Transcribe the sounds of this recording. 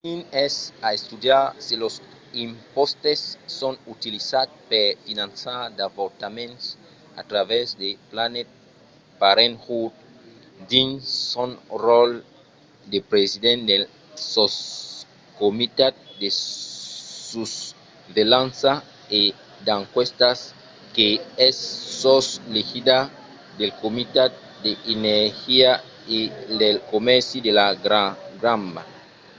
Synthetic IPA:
inɛsaest̪ud̪jaɾselos | ĩmpɔst̪esːɔ̃nut̪ilisat̪peɾfinãnsad̪avoɾt̪amẽnt̪s | a̰t̪ɾavɛzd̪eplanet̪̚ | paɾẽnhud̪̚ | d̪iŋsɔ̃nrɔl | d̪epɾezid̪ẽnd̪el | sos | komit̪at̪̚d̪e | sus | ðelãnsa | e | d̪ãŋkwest̪as | keesːoslexid̪a | d̪elkomit̪at̪̚ | d̪eineɾxia | eldelkomɛɾsid̪elaɡɾaɡɾãmba̰

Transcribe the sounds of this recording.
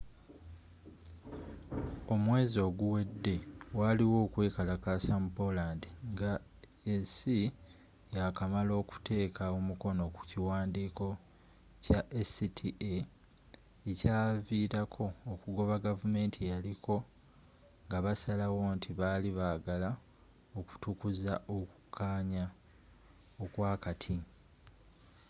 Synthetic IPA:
o̞mwe̞ːzo̞ːɡuwe̞dːe̞waliwo̞ːkwe̞ːkalakasambolaːndiŋɡa | esi | jakamalo̞ːku̥tʰe̞ːkʰaomuko̞no̞ku̥ciwaːndiːko̞ | caʔesitʰie | ecaːviːɾakʰo̞ːkuɡo̞βaɡavume̞ːntʰijalikʰo̞ | ŋɡaβasalawo̞ːntʰiβaliβaːɡala | oku̥tukuzaʔoku̥kʰːaːɲa | okwaːkatʰi

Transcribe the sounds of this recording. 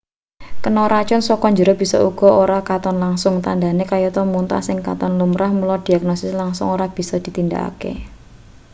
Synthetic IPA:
kənɔɾat͡ʃɔnsɔkɔɲd͡ʒəɾɔb̥i̤sɔ̰uɡ̥ɔ̤oɾakat̪ɔnlaŋsʊŋt̪andanekajɔt̪ɔmunt̪a̰sɪŋka̰t̪ɔnlumɾahmulɔd̪̥iaɡ̥nɔsɪslaŋsʊŋoɾab̥i̤sɔd̪̥i̤t̪ind̪a̰a̰kḛ

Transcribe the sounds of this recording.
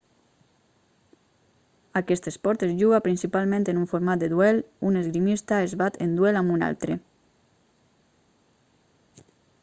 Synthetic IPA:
akɛst̪espɔɾt̪ezʒuɣapɾinsipalˠmẽnt̪enuɱfoɾmat̪̚d̪eðuɛlunezɣɾimist̪aezβat̪end̪wɛlamuna̰lt̪ɾe

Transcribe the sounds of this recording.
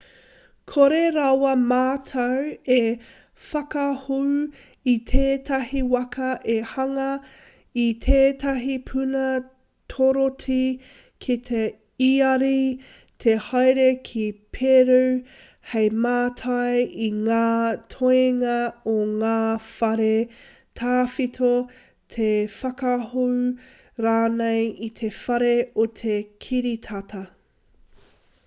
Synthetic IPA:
kʰoɾeɾɐwɐmaːtʰɐwe | fɐkɐhu | it̪ʰeːt̪ʰɐhiwɐkʰɐʔehɐŋɐ | it̪ʰeːtɐɦipʰʉnɐ | tʰoɾotʰi | kʰit̪ʰe | iɐɾi | t̪ʰehajɾekʰipʰeɾuw | hejmaːtʰɐjiŋaːtʰoeŋɐoŋaːfɐɾe | tʰaːfitʰo | t̪ʰefɐkɐɦuw | ɾaːnejit̪ʰe̞fɐɾeot̪ʰekʰiɾitʰɐtʰɐ

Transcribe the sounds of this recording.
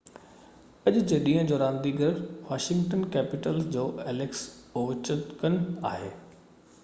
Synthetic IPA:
ɐʄʊd͡ʑeɗĩːə̃d͡ʑoːɾãːnd̪iɡəɾʋaːʃɪ̃ŋɡʈənkɛːpɪʈəlsd͡ʑoːɛːleksoʋɪt͡ɕət̪kənaːɦeː

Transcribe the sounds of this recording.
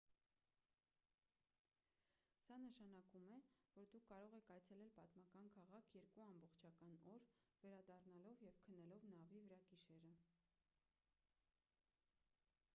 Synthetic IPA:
sɑnəʃɑnɑkumɛvɔɾd̪ukʰːɑɾɔʁɛkʰɑjt͡sʰɛlɛlpɑt̪mɑkɑnkʰɑʁɑkʰjɛɾkuɑmbɔχt͡ʃʰɑkɑnɔɾvɛɾɑd̪ɑrnɑlɔvjɛvkʰənːɛlɔvnɑvivəɾɑkiʃɛɾə

